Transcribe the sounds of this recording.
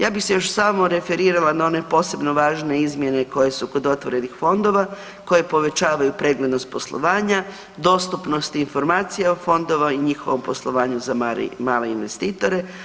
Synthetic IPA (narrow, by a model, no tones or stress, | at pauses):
jaːbixse̞joʃsamoɾe̞fe̞ɾiːɾalanao̞ne̞po̞ːse̞bno̞ʋaːʒne̞izmje̞ne̞ko̞je̞suko̞d̪o̞t̪ʋo̞ɾe̞nixfo̞nd̪o̞ʋa | ko̞je̞po̞ʋe̞t͡ʃaːʋajupɾe̞ɡle̞d̪no̞st̪̚po̞slˠo̞̰ʋaːɲa | d̪o̞ːst̪upno̞st̪info̞ɾmaːt̪sijaofo̞nd̪o̞ʋaiɲixo̞ʋo̞mpo̞slˠo̞ʋaːɲuzamalḭmaːle̞inʋe̞st̪iːt̪o̞ɾe̞